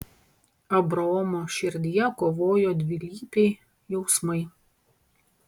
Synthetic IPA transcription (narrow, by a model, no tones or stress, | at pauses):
ɐbɾɐɔmoːʃʲɪɾʲd̪ʲɪjɛkoːʋoːjoːd̪ʲʋʲɪlʲiːpʲɛɪ | jɛʊsmɐɪ